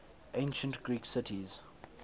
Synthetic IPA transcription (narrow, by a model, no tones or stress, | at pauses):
ʔẽɪ̃nʃə̃ntɡ̥ɹiːksɪtʰiz̥